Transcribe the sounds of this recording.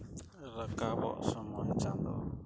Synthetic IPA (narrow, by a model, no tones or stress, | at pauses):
ɾakabɔ̰ʔsɔmɔjt͡ʃand̪ɔ̰